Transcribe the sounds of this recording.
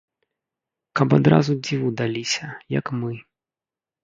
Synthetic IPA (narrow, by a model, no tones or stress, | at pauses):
kɐpad̪ɾa̰zud͡zʲivud̪alʲisʲɐjɐ̰kmɨ